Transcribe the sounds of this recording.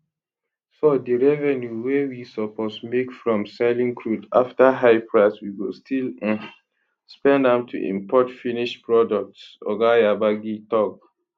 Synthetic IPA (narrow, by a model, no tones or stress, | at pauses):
sɔdəɹɛvɛnjuwewisɔpɔsmekfɹɔ̃msɛlĩŋkʰɹudaftaɦaɪpʰɹaswiwilstʰil̃ | spɛ̃ndãmtʰṵʔḭ̃mpʰɔtfiniʃpɹɔdɔk̚tsɔ̰ɡajabaɡitɔk̚